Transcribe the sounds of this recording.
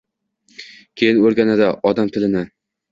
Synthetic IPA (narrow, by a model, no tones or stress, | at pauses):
kʲʰejɪnoɾɡʲanad̪aʔɒd̪amt̪ʰɪlɪnɪ